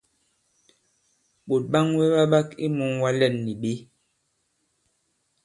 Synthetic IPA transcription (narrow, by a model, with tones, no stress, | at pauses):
ɓo˨t̚ɓa˦ŋwe˦ɓa˦ɓa˦ki˦mu˨˦ŋwa˦lɛ˨nːi˨ɓe˦